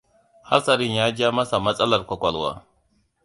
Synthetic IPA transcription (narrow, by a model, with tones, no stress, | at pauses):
ha̰˦ɾsɐ˨ɾɪ˦˨ɲjaː˦d͡ʒa˦mɐ˦sa˨mɐ˦sʼɐ˦lɐ˨rkʷɐ˨kʷɔ˨lwa̰ː˦